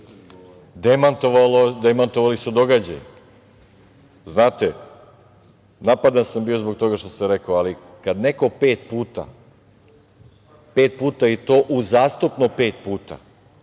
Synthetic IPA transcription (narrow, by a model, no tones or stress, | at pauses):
d̪emant̪oʋalod̪emant̪oʋalisud̪o̞ɡad͡ʑa̰j | znaːt̪e | napad̪ansambiːo̞zbo̞ɡ̚t̪o̞ɡaʃt̪osamɾe̞koali | kad̪ne̞ko̞peːt̪̚puːt̪a̰ | peːt̪̚puːt̪ajet̪o̞ːʔuzaːst̪upnope̞ːt̪̚puːt̪a̰